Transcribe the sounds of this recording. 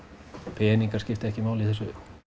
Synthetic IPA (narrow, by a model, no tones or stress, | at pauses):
peːniŋkɑskist̪ækimæolihose